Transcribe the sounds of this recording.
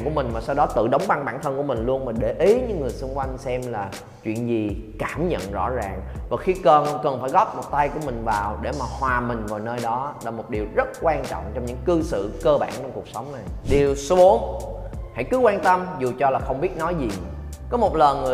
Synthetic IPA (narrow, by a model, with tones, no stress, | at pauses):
ŋku˧˩əmï˨˩ŋ̟maː˨˩sa˧wɗɔ˨˦t̪ɨ̰˧˨ɗə˨˦wŋ͡mɓa˧ŋɓaː˧˩nt̪ʰə˧nku˧˩əmï˨˩ŋ̟lu˧ənmaː˨˩ɗe˧˩ʔi˨˦ɲɨ̰˧˥ŋːɨ˨˩əjsu˧ŋ͡mkwa˧jŋsɛ˧mlaː˨˩ | t͡ɕwḭ˧˨ənzi˨˩kaː˧˩mɲə̰˧˨nzɔ̰˧˥zaː˨˩ŋvaː˨˩xi˧kə˨˩nkə˨˩nfaː˧˩jɣɔ˦˥p̚mo˨˩t̚t̪a˧jku˧˩əmï˨˩ŋ̟vaː˨˩wɗe˧˩maː˨˩hwaː˨˩mï˨˩ŋ̟vaː˨˩wnəː˧jɗɔ˨˦laː˨˩mo˨˩t̚ɗi˨˩əwzə˦˥t̚kwaː˧nt͡ɕɔ̰˧˨wŋ͡mt͡ɕɔ˧wŋ͡mɲɨ̰˧˥ŋkɨ˧sɨ̰˧˨kəː˧ɓa̰ː˧˩nt͡ɕɔ˧ŋ͡mku˨˩k̚sə˨˦wŋ͡mna˨˩jɗi˨˩əwsu˨˦əŋha̰˧˥jkɨ˨˦kwaː˧nt̪ə˧mzu˨˩t͡ɕɔ˧laː˨˩xə˧wŋ͡mɓi˦˥ət̚nɔ˨˦jzi˨˩ | kɔ˨˦mo˨˩t̚lə˨˩ŋɨ˨˩